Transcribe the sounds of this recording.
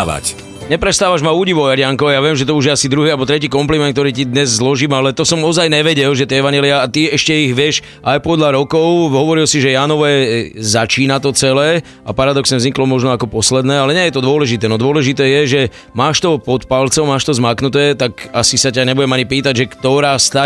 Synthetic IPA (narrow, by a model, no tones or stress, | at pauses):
a̰c | ɲɛpɾɛst̪aːʋaʒmauːɟiʋɔʊjaɾɪaŋkɔʋɛjaʋɪɛmʒɛt̪ɔuʒjɛasid̪ɾuɦiːalbɔt̪ɾɛciːkɔmplimɛnk̚t̪ɔɾiːcid̪ɲɛzzlɔʒiːmalɛt̪ɔsɔmɔzajnɛʋɛɟɛlʒɛt̪ɛɛʋaɲjɛliaːt̪iɛʃcɛiɣʋɪɛʃ | ʔajpɔd̪ʎaɾɔkɔʊɦɔʋɔɾilsiʒɛjaːnɔʋɛzat͡ʃiːnat̪ɔt͡sɛlɛː | a̰paɾad̪ɔksɲɛzɲiklɔmɔʒnɔakɔpɔslɛd̪nɛːalɛɲɛjɛt̪ɔd̪ʊɔlɛʒit̪ɛːnɔd̪ʊɔlɛʒit̪ɛːjɛʒɛ | maːʃt̪ɔpɔt̪palt͡sɔʊmaːʃt̪ɔzmaːknut̪ɛːt̪akasisacaɲɛbuɟɛmaɲipiːt̪aɟʒɛkt̪ɔɾaːst̪a